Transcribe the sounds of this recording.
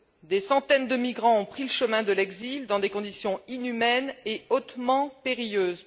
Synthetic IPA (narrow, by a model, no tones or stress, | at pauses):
d̪esɑ̃t̪ɛnd̪əmiɡʁɑ̃ɔ̃pχiləʃəmɛ̃d̪əlɛɡzild̪ɑ̃d̪ekɔ̃d̪isjɔ̃inymɛneot̪mɑ̃peʁijøːz